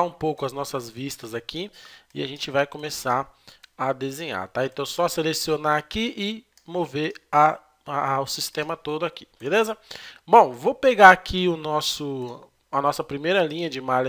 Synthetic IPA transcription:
ũpowkʊɐznɔsɐzvist̪ɐzakiɪaʒẽt͡ʃɪvajkõmesaɾɐd̪ezẽɲa̰ɾt̪aẽnt̪ɐ̃w̃sɔɐselesionaakiʔɪ | moveɾɐ | ʊsist̪ẽmɐt̪od̪ʊaki̥belezɐbõw̃vopeɡaakʰiʊnɔsʊ | ɐnɔsɐpɾimejɾɐlĩɲɐd͡ʒɪmalɐ

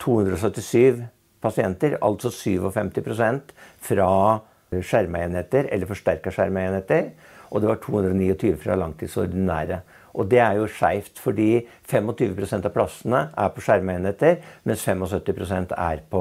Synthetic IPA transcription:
t̪ʰuːhʉnd̪ɾɔs̬œt̪ːɪsyːʋ | pʰɑsɪɛnt̪əɾɑ̰lt̪sɔsyːʋɔfɛmt̪ɪpʰɾʊsɛnt̪fɾɑ | ʂæɾməeːnheːt̪əɾɛ̰lːəɾfɔʂʈæɾkɑʂæɾməenheːt̪əɾ | ʔɔd̪ɛʋɑʈʰuːhʉnd̪ɾɔniːɔt̪ʰyːʋəfɾɑ̰lɑŋt̪ʰiːd̪sɔ̰ɾd̪ɪnæ̰ːɾə | ʔɔd̪ɛæɾjʊʂæɪft̪fɔɖiː | fɛmːɔt̪ʰyːʋəpʰɾʊsɛnt̪ɑʋpʰlɑsənəʔæɾpʰɔʂæɾməeːnheːt̪əɾmɛnsfɛmɔsœt̪ːɪpʰɾʊsɛnt̪ʰæ̰ɾpʰɔ

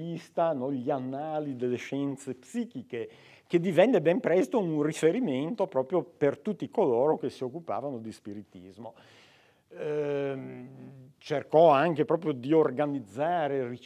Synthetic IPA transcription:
ist̪anɔʎianːaːlid̪elːeʃɛnt̪sepsiːk̟ike | k̟ed̪ivɛnːebɛmpɾɛst̪ouŋrifeɾiment̪opɾɔːpɾjopert̪ut̪ːikoloːɾok̟esiokːupa̰ːvanod̪ispiɾit̪ḭzmo | t͡ʃerkɔaŋkepɾɔːpɾjod̪iorɡanid̪zːaːɾeri

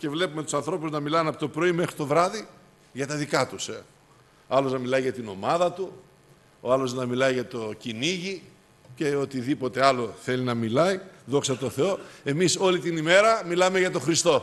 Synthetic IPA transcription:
ce̞vle̞pumet̪u̥sɐnθɾo̞puznɐmilɐnɐpo̞t̪opɾo̞ime̞xɾit̪o̞vɾɐði | ʝɐt̪ɐðikɐt̪use | ɐloznɐmilɐiʝɐt̪ino̞mɐðɐt̪u | oɐlo̞znɐmilɐiʝɐt̪o̞ciniʝi | ce̞o̞t̪iðipo̞t̪e̞ɐlo̞θe̞linɐmilɐiðo̞ksɐt̪o̞θe̞o̞e̞miso̞lit̪inime̞ɾɐmilɐme̞ʝɐt̪o̞xɾist̪o̞

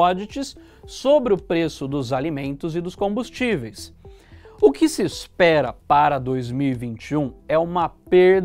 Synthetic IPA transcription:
ɔd͡ʒit͡ʃɪsː | obɾɪʊpɾesʊd̪ʊzalimẽnt̪ʊzɪd̪ʊskõbust͡ʃivejs | ʊkɪsɪːspɛɾɐpaɾɐd̪ojzmiwivĩnt͡ʃiũɛũmɐpeɾd̪

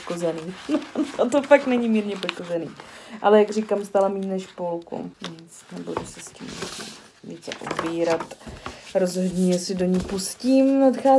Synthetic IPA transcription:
kozɛniːnoot̪̬ofak̚nɛɲimiːɾɲɛpoʃko̞zɛnḭːʔalɛjaɡr̝ikamst̪aːlamiːnnɛʃpolkṵnɛsnɛbudusɛscḭmɛ̰sḭ | viːt͡sɛ̰ʔo̰biːɾat̪ɾozɦodɲɛjɛsɪdo̞ɲipuscimnat̪xaː

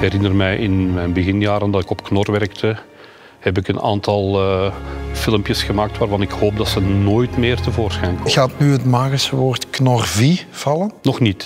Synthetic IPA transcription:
kɛɾɪnərmɛjʔɪnmɛjnbəɣɪnjaːɾəndɑtɪkɔpknɔrʋɛrk̚tʰə | hɛpɪkəna̰ːntɑlˠə | fɪləmpjəsxəmaːk̚tʋaːrvɑnɪkhoːp̚dɑtsənoːjtmɪːrtəvoːrsxɛjnkɔɣaːtnyɦətmaːɣisəʋoːrtknɔrviv̥ɑlənnɔxnit

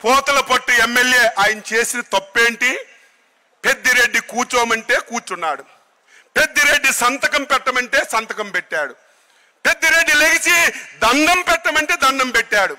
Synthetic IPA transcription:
pɔːt̪ɐlɐpoʈːuemːelje̞ːʔaːjɐnɐt͡ʃe̞ːsinɐt̪opːe̞ːɳʈi | pe̞d̪ːiɾe̞ɖːikuːt͡ʃoːmɐɳʈe̞ːkuːt͡ʃunːaːɽu | pe̞d̪ːiɾe̞ɖːisɐnt̪ɐkɐmpɛʈːɐmɐɳʈe̞ːsɐnt̪ɐkɐmpeʈːaːɽu | pe̞d̪ːiɾe̞ɖːileɡit͡ʃid̪ɐnd̪ʱɐmpɛʈːɐmɐɳʈe̞ːd̪ɐnd̪ɐmpɛʈːaːɽu

